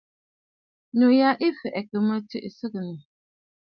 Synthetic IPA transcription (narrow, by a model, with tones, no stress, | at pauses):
nu˨ja˦ʔi˦fʔɛ˨kə˨mə˦tɨ̰˦˨ʔsɨ˦kɨ˨nɨ˨